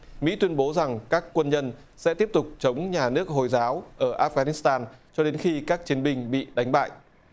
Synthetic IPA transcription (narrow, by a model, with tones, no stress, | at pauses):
mḭ˧˥t̪wi˧ənɓo˨˦za˨˩ŋkaː˦˥kːwə˧nɲə˧n | sɛ̰˧˥t̪i˦˥əp̚t̪ʊ˨˩k͡p̚t͡ɕə˨˦wŋ͡mɲaː˨˩nɨ˦˥ək̚ɦo˨˩jzaː˨˦wʔəː˧˩ʔaː˦˥f̚ɣaː˧˩ni˦˥st̪aː˧nt͡ɕɔ˧ɗe˨˦nxi˧kaː˦˥k̚t͡ɕi˨˦ənɓï˧ŋ̟ɓḭ˧˨ɗa˨˦jŋ̟ɓa̰ː˧˨j